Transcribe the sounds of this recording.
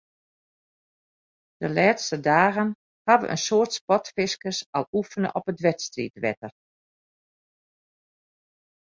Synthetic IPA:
d̥əlɛːtstədaːɣən | haʋə̰ʔə̰nsoːrtspɔtfɪskəsalˠufənə̰ʔɔpətʋɛtstrḭtʋɛ̰tər

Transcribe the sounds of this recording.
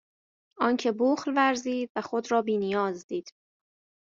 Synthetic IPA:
ʔɒːncʰe̞boːxlvæɾziːd̪væxo̞d̪ɾɒːbiːnijɒːzd̪iːd̪̥

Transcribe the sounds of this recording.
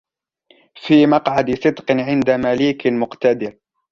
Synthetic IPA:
fiːmɑqʕad̪sˤɨd̪qʕɪnd̪amaliːkmʊqt̪ad̪ɪɾ

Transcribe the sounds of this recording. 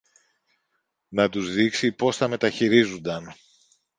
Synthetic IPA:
nɐt̪uzðiksipo̞sθɐme̞t̪ɐçiɾizund̪ɐn

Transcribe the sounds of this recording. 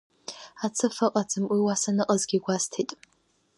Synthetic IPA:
at͡sʰɨfɨqʼat͡sʰɨmʔiwasanɨqʼazɡʲiɡʷastʰitʼ

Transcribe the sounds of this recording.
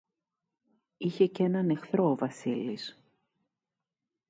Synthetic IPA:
içe̞ce̞nɐne̞xθɾo̞ːvɐsilis

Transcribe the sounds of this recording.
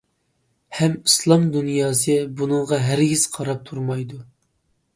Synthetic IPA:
hɛmislˠɑmd̪unjɑːsɨbunɨŋʁɑɦæɾɡʲiz̥qʰɑɾɑp̚t̪ʰuɾmɑjd̪u

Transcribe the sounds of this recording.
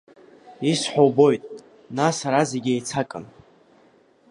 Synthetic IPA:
isħʷᶣowbo̞jtʼ | nasaɾazeɡʲejt͡sʰakʼɨ̰n

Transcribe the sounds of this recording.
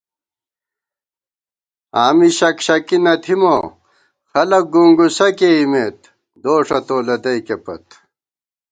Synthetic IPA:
aːmiɕɐkɕɐkinɐt̪ʰimo | xɐlɐk̚ɡuŋɡusɐkeimet̪ | d̪oːʂɐt̪oːlɐd̪ɐjkepɐ̰t̪

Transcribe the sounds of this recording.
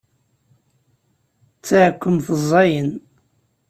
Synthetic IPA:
t͡sːaʕkʷːəmθəzˤːɑjən

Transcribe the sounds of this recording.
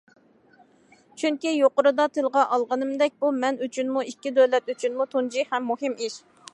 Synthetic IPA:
t͡ʃʰyŋkʲijoqʊɾɨd̪ɑt̪ʰɪlˠʁɑʔɑlˠʁɑnɨmd̪ɛk̚ʲbumɛnyt͡ʃʰynmuikʲːid̪ølɛt̪yt͡ʃʰynmut̪ʰund͡ʒihɛmːuhɨmiʃ

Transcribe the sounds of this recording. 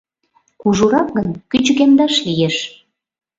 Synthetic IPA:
kuʒuɾɑk̚ɡənkyt͡ɕɣemd̪ɑʃlijeʃ

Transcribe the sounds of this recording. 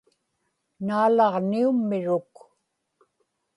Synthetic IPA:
naːlɑʁniumːɪɻʊk

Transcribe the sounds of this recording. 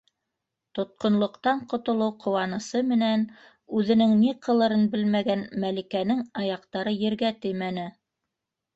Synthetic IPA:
t̪ŏt̪̚qŏnlˠŏqt̪ɑɴqŏt̪ŏlˠɤwqʰŏwɑnɤ̆sɤmɘ̆næn | ʉðɘ̆nɘŋniqɤ̆lˠɤ̆ɾɤnbɘlmæɡænmælikænɘŋɑjɑqt̪ɑɾɤjɘ̆ɾɡæt̪ɘjmænɘ

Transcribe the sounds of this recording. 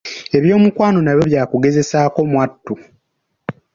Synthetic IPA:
e̞βjo̞ːmukwaːno̞naβjoβjaːkuɡe̞ze̞saːko̞mwatːu

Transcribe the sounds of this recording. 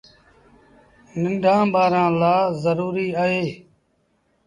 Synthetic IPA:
nɪnɖʱãːbaːɾãːlaːzəɾuːɾiːaɦeː

